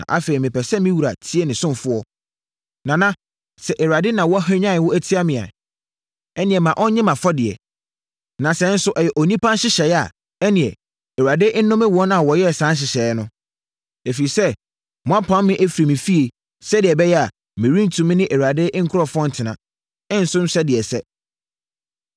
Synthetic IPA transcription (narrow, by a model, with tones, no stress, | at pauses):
ã̰˨ʔa̰˦fe˨ɾi˨mɪ̃˨pɛ˨sɛ˦mɪ̃˦wu˨ɾa˨tʰi˦e˦nɪ̃˨sʊ̃˦m˨fʊ˦ɔ˦ | nã˨nã˦ | sɛ˨ʔɛ˨ɥa˨dɪ˦nã˨wɔ˦a˦hã˦ɲ˦ã˦˨wʊ˦æ˦tʰi˦a˦mɪ̃˨a̰˨ | ɛ˦nɪ̃˨ɛ˨mã˨ʔɔ̃˦ɲɪ̃˦mã˨fɔ˦dɪ˨ɛ̰˨ | nã˨sɛ˨˦n̩˦sʊ˦ʔɛ˨jɛ˨ʔo˨nĩ˦pʰã˦n˦ɕɪ˦ɕɛ˨ja̰˨ | ɛ˦nɪ̃˨ɛ˨ | ɛ˨ɥa˨dɪ˦ʔnʊ̃˦mɪ̃˦wɔ˦na˨wɔ˨jɛ˦˨sã˨˦nɕ̬ɪ˨ɕɛ˨˦nʊ̃˦ | e˨fi˨sɛ˦ | mɔ̃˦a˦pʰã˨˦mː˦ɪ̃˦ʔæ˦fi˨ɾe˨mɪ̃˨fi˦e˨ | sɛ˦dɪ˨ɛ˨bɛ˦jɛ˦a˨ | mɪ̃˨ɾĩ˦n̩˦tʰũ˨˦mɪ̃˦nɪ̃˦ʔɛ˨wa˨dɪ˦ŋ̩˦kʰʊ˦ɾɔ˦fʊ˦ɔ̃˦n̩˨tʰɪ˨nã̰˨ | ɪ̃˦n̩˦sʊ˦m̩˦ɕɛ˦dɪ˨ɛ˨sɛ˦